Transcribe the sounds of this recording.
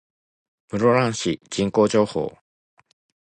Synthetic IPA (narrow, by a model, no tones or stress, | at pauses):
mɯ̟ɾoɾãɰ̃ɕid͡ʑĩŋko̞ːʑo̞ːho̰ː